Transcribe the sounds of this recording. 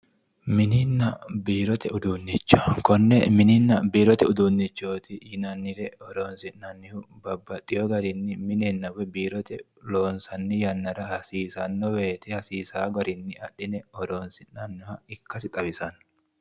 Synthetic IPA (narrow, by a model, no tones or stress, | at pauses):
mɪnɪnːɐbiːɾɔt̪ʰɛʊd̪unːɪt͡ʃːɔ̥kɔnːɛmɪnɪnːɐbiːɾɔt̪ɛʊd̪unːɪt͡ʃːoːt̪ɪjɪnɐnːɪɾɛɔɾoːnsɪnːɐnːɪhʊbɐbːɐt̪ʼːɪjɔɡɐɾɪnːɪmɪnɛnːɐwɛbiːɾɔt̪ɛ | lo̞ːnsɐnːɪjɐnːɐɾɐhɐsiːsɐnːɔweːt̪ɪhɐsiːsaːɡɐɾɪnːɪɐᶑɪnɛɔɾo̞ːnsɪnːɐnːɔhɐɪkːɐsɪt̪ʼɐbɪsɐn